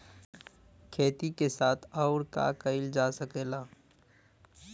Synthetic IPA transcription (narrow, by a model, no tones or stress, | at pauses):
kʰeːt̪ikesaːt̪ʰɔːʊɾka̰kəɪld͡ʒaːsəkeːlaː